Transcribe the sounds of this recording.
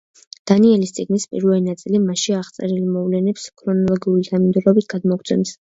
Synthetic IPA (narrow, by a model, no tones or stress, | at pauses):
d̪̥aniɛlist̪sʼiɡnispʼḭɾvɛlinat̪sʼilimaʃiaʁt̪sʼɛɾilimɔvlɛnɛpskʰɾɔnɔlˠɔɡiulid̪ʰamind̪uɾɔbit̪̚ʰɡ̥ad̪mɔkʰt̪sʰɛ̰ms